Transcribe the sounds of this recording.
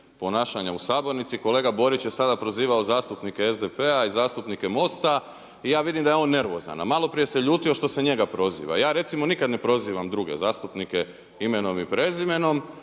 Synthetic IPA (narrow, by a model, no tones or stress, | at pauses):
po̞naːʃaɲausaːbo̞ɾnit̪siko̞le̞ːɡabo̞ɾit͡ɕjesad̪apɾoziːʋaozaːst̪upnikeezd̪epeaizaːst̪upnike̞mo̞st̪a | ijaːʋid̪imd̪ajeo̞nːe̞ɾʋo̰za̰na̰malo̞pɾije̞se̞ʎuːt̪io̞ʃt̪o̞se̞ɲe̞ɡapɾo̞zḭːʋa̰jaːɾe̞t̪simo̞nikad̪ne̞pɾo̞ziːʋamd̪ɾuɡe̞̰zaːst̪upnike | ime̞no̞mipɾe̞zime̞no̞m